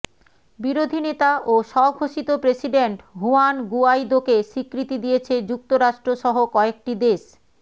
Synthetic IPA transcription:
biɾod̪ʱinet̪aʔoʃɔɡʱoʃit̪opɾesiɖeɳʈɦuanɡuajd̪okeʃikɾit̪id̪ijet͡ɕʰed͡ʑuk̚t̪oɾaʃʈɾoʃɔɦokɔek̚ʈid̪eʃ

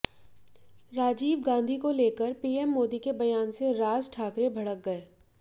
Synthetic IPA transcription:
ɾaːd͡ʒiːʋɡãːnd̪ʱikoleːkəɾpiːɛmːoːd̪ikebɐjaːnseɾaːzʈʰaːkɾebʱɐɽək̚ɡɐeː

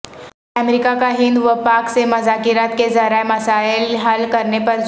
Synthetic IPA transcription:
əmɾikakaɦɪ̃nd̪ʋəpaːksemɐzaːkɪɾaːt̪kezɐɾaemɐsaːɪlɦɐlkɐɾnepɐɾ

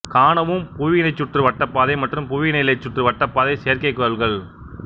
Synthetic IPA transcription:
kaːnɐʋɯmpuʋɪnɐɪt͡ʃːʊʈrɯʋɐʈːɐpːaːðɐɪmɐʈrɯmpʊʋɪnɐlɐɪt͡ʃːʊʈrɯʋɐʈːɐpːaːðɐɪseːɐɾkɐɪkːɯɾɐlɣɐɭ

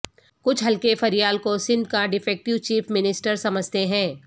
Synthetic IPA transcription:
kʊt͡ʃʰɦɐlkefɐɾijaːlkosɪ̃nd̪kaɖɪfʰɛːk̚ʈɪʋt͡ʃiːfmɪnɪsʈəɾsɐməd͡ʒʱt̪eɦɛ̃ː

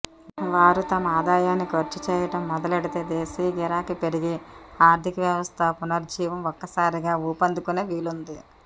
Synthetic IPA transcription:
ʋaːɾut̪ɐmɐaːd̪aːjaːnːikoɾt͡ʃut͡ʃɛːjɐʈɐmːɔd̪ɐlɐɽit̪eːd̪eːsiːɡɛɾaːkipeɽiɡiaːɾd̪ʱikɐʋjɐʋɐst̪ʰɐːpunɐɾd͡ʒiːʋɐmɔkːɐsaːɾiɡaːuːpɐnd̪ukuneːʋiːlund̪i

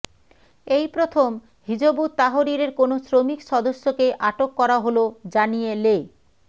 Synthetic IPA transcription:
ejpɾot̪ʰom | hid͡ʑobut̪aɦoɾiɾeɾkonosɾomikʃɔd̪oʃːokeʔaʈokːɔɾaɦolod͡ʑanijele

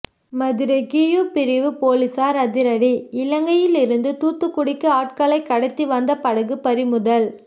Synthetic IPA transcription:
mɐðɪɾɐɪkijuːpɪɾɪʋɯpoːlɪsaːɾɐðɪɾɐɽiɪlɐŋɡɐjɪlɪɾɯnd̪ɯt̪uːt̪ːɯkːʊɽɪkːɯaːʈ̚kalɐɪkːɐɽɐɪt̪ːiʋɐnd̪ɐpɐɽɐɣɯpɐɾɪmʊðɐl

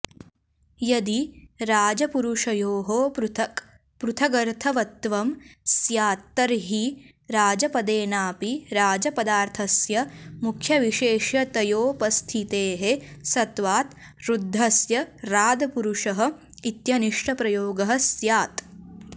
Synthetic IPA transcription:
jɐd̪iɾaːd͡ʒɐpuɾuʂɐjoːɦopɾt̪ | pɾut̪ʰɐɡɐɾt̪ʰɐʋɐt̪ːʋɐmsjaːt̪ːɐɾɦi | ɾaːd͡ʒɐpɐd̪eːnaːpiɾaːd͡ʒɐpɐd̪aːɾt̪ʰɐsjɐmukʰjɐʋiʃeːʃjɐt̪ɐjoːpɐst̪ʰit̪eːɦesɐt̪ʋaːt̪ | ɾud̪ʱːɐsjɐɾaːd̪ɐpuɾuʂɐɦɐ̆ | it̪jɐniʂʈʰɐpɾɐjoːɡɐɦɐ̆sjaːt̪

